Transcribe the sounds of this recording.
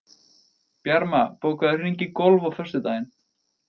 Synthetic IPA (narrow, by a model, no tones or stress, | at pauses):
pjaɾmapoːwkaðʏriɲcɪkowlvawfœr̥st̪ʏt̪aːjɪn